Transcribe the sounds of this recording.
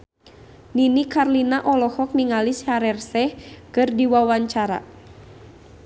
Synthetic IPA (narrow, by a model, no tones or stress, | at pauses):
ninikarlinaʔɔlɔhɔk̚niŋalishaɾɛrsɛhkɨrdiwawaɲt͡ʃaɾa̰